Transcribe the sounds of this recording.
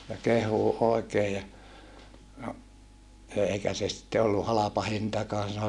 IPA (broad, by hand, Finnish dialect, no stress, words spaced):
jɑ kehˑuː oˑekeː jɑ no eˑikæ se sitːe olːu hɑlɑpɑ hintɑkɑːn sɑno